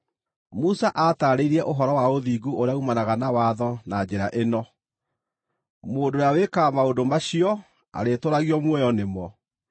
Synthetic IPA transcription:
musaʔataɾeiɾiɛʔoɦɔɾɔwaoðiːɡuoɾeaumanaɣanawaðɔnad͡ʑeɾaʔenɔ | moːndoɾeawekamaodomaɕiɔ | a̰ɾetoɾaɣiɔmwɛjɔnemɔ

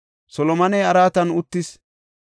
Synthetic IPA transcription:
sɔlɔmɐnɛjɐɾaːt̪ɐnʊt̪ːɪs

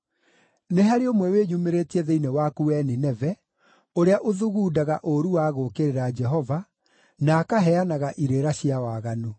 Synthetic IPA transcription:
neɦaɾeomwɛweːɲumeɾeːtiɛðeinewakuwɛninɛvɛ | oɾeaʔoðuɣuːdaɣaʔoɾuwaɣokeɾeɾad͡ʒɛɦɔva | naːkaɦɛanaɣaʔiɾeɾaɕiawaɣano

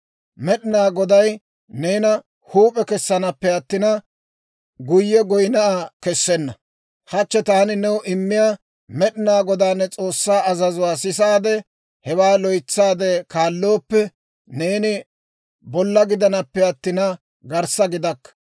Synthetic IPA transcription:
mɛɗɪnaːɡɔd̪ɐj | neːnɐ | huːpʼɛkɛsːɐnɐpːɛɐt̪ːɪnɐ | ɡʊjːɛɡɔjnɐʔakɛsːɛnːɐ | hɐt͡ʃːɛt̪aːnɪnɛwʔɪmːɪjaː | mɛɗɪnaːɡɔd̪aːnːɛt͡sʼo̞ːsːaːɐzɐzʊwaːsɪs̬aːd̪ɛ | hɛwaːlɔjt͡sːaːd̪ɛkaːlːoːpːɛ | ne̞ːnɪ | bɔlːɐɡɪd̪ɐnɐpːɛɐt̪ːɪnɐ | ɡɐɾsɐɡɪd̪ɐkːɐ̥

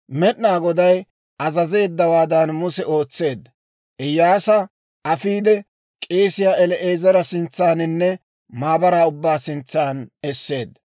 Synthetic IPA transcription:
mɛʔnaːɡɔd̪ɐj | ɐzɐze̞ːd̪ːɐwaːd̪ɐnmʊsɛo̞ːt͡sːe̞ːd̪ːɐ | ʔɛjːaːsɐ | ʔɐfiːd̪ɛ | kʼeːsɪjaːɛlɛʔeːzɐɾɐsɪnt͡sːaːnɪnːɛ | maːbɐɾaːʊbːaːsɪnt͡sːaːnɛsːe̞ːd̪ːɐ

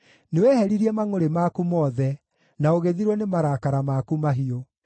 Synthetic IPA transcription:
newɛhɛɾiɾiɛmaŋoɾemakumɔːðɛ | naoɣeðiɾwɔnemaɾakaɾamakumaɦio

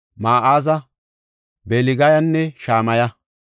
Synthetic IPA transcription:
maːʔaːzɐ | beːlɪɡɐjɐnːɛʃaːmɐjɐ

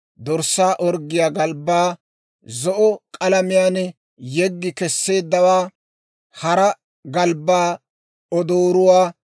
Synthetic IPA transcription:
d̪ɔɾsːaːʔɔɾɡɪjaːɡɐlbːaː | zɔʔɔkʼɐlɐmɪjaːnɛ | jɛɡːɪkɛsːe̞ːd̪ːɐwaː | hɐɾɐ | ɡɐlbːaː | ɔd̪oːɾʊwaː

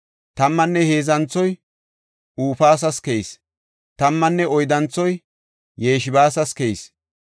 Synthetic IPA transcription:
t̪ɐmːɐnːɛhe̞ːzɐnt͡sːɔj | uːfaːs̬ɐskejs | t̪ɐmːɐnːɛɔjd̪ɐnt͡sːɔj | jeːʃɪbaːsɐskejs

